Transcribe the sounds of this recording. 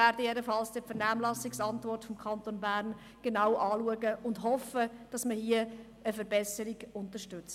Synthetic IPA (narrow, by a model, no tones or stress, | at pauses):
æːɾd̥əɛdəfɑlsd̥əfəɾnæːmlɑsɪksɑntvɔrtfɔmkʰɑntonbæːɾn | ɡ̥enaʊʔɑːluəɡəʊndɦɔfəd̥ɑsməhiə | əfəɾbɛsəɾɪɡʊntəʃtʏt͡s